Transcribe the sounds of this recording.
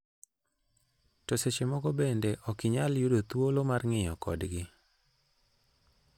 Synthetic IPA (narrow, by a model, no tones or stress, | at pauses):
toset͡ʃemɔɡɔbendeʔɔkɪɲaljudot̪wolomarŋɪjɔkɔ̰dɡɪ